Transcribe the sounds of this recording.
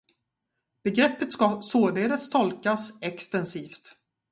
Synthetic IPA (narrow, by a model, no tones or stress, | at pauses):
b̥ɛɡɾɛpːət̪skasoːd̪eːd̪əst̪ʰɔlkasɛkst̪ɛnsiːft̪